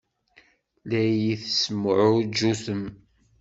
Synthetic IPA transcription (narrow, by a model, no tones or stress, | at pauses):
læjjiθsmːʕʊd͡ʒːusəm